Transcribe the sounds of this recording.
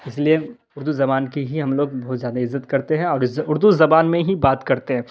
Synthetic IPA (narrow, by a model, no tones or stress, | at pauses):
ɪslie | ʊɾd̪uzɐbaːnkiɦiɦɐmloːɡbɔɦʊt̪zjaːd̪aɪzːət̪kɐɾt̪eɦɛ̃ɔːɾʊɾd̪uzɐbaːnmẽɦibaːt̪kɐɾt̪eɦɛ̃ː